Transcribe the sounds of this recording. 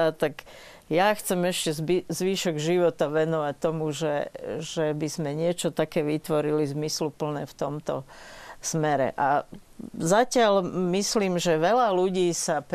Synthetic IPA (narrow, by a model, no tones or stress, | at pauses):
at̪aɡ | jaxt͡sɛmɛʃcɛzzʋiːʃɔɡʒiʋɔt̪aʋɛnɔʋac̚t̪ɔmuʒɛ̰ʒɛbizmɛɲɪɛt͡ʃɔt̪akɛːʋit̪ʋɔɾilizmislupl̩nɛ̰ːft̪ɔmt̪ɔ̰smɛɾɛ̰ʔa | zacɪalmisliːmʒɛʋɛlaluɟiːsap